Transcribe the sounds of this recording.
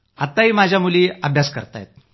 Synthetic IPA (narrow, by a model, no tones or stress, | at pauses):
at̪ːaɦiːmad͡ʑʱjamuliːəbʱjaskəɾt̪a̰jt̪̚